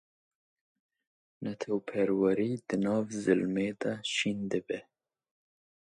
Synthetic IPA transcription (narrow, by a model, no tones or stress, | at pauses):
nat̪ʰawpʰeɾwaɾid̪̥ənɑːvzɪlmed̪aʃind̪əbe